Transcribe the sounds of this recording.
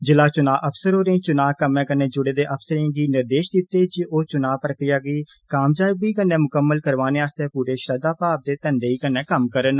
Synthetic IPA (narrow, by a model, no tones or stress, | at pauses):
d͡ʒɪlaːt͡ʃʊnaːʔəpʰsəɾɦoːɾẽːt͡ʃʊnaːkəmɛ̃ːkəneːd͡ʒʊɽeːd̪eːʔəpʰsəɾẽːɡiːnɪɾd̪eːʃd̪ɪt̪ːeːd͡ʒioːt͡ʃʊnaːpɾəkɾɪjaːɡiː | kaːmd͡ʒaːɪɡʋiːkənːẽːmʊkəmːəlkəɾʋaːneːaːst̪eːpuːɾeːʃɾəd̪aːpaːb̚d̪eːt̪ənd̪eːiːkənːɛ̃ːkəmkəɾən